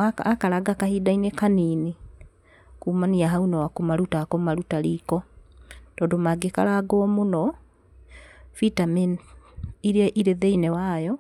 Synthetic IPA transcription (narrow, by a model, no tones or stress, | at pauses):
aakaɾaɡakahidainekanini | kumaniaɦaunawakomaɾutakɔmaɾutaɾikɔ | tɔːndomaɡeka̰ɾaɡɔːmonɔ | fitamin | iɾeɛʔiɾeðeinɛwajɔ